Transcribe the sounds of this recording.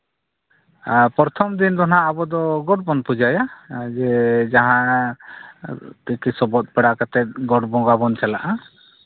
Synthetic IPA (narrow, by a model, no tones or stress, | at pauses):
pɔɾt̪ʰɔmd̪ind̪ɔnaabɔd̪ɔɡɔʈ̚bɔnpud͡ʒajad͡ʒɛd͡ʒaɦã | t̪ikisɔbɔt̪̚pɛɽakat̪ɛt̪̚ɡɔʈbɔ̃ɡabɔnt͡ʃalaʔa